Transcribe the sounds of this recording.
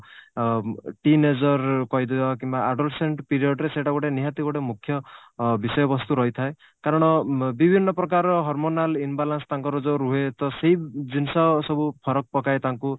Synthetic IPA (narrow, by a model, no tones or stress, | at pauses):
ʈined͡ʒɔɾkɔjd̪ebakimbaaɖolseɳʈpiɾiɔɖɾeseʈaɡɔʈeniɦat̪iɡɔʈemukʰːjɔbisɔjɔbɔst̪uɾɔɦit̪ʰae | kaɾɔɽ̃ɔbibʱinːɔpɾɔkaɾɔɦɔɾmonalinbalanst̪aŋkɔɾɔd͡ʒoɾuɦet̪ɔseɦid͡ʒinsɔsɔbupʰɔɾɔk̚pɔkaet̪aŋku